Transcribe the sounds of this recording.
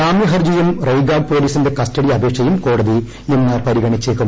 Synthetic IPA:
aːmjɐɦɐrd͡ʑɐjumrɐjɡaːɡ̚po̞ːliːsinde̞kɐstɐɽiɐbʱeːkʂɐjumko̞ːɽɐði | inːɨpɐɾiɡɐɳit͡ɕːeːkːɐ

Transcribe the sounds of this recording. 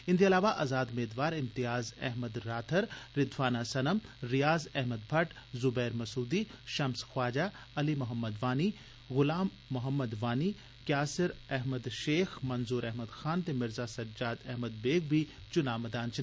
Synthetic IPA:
ɪ̃nd̪iɐlaːʋaʔɐzaːd̪meːd̪ʋaːɾɪmt̪ijaːzɛ̰ɦməd̪ɾaːt̪ʰəɾɾɪd̪faːnasɐnəmɾijaːzɛɦməd̪bʱɐʈzʊbɛːɾmɐsuːd̪iʃɐmsxwaːd͡ʒaː | ɐlimʊɦəmːəd̪ʋaːni | ɣʊlaːmːʊɦəmːəd̪ʋaːni | kjaːsɪɾɛɦməd̪ʃeːxmɐnzuːɾɛɦməd̪xaːnt̪emɪɾzasɐɾd͡ʒaːd̪ɛɦməd̪̚beːɡ̚bʱit͡ʃʊnaːmɐd̪aːnt͡ʃː

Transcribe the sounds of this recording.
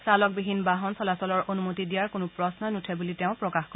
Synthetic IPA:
salɔk̚biɦinbaɦɔnsɔlasɔlɔɹonumotidijaɹkonʊpɹɔsnɔnutʰɛbulitɛʊ̃pɹɔkaxkɔ

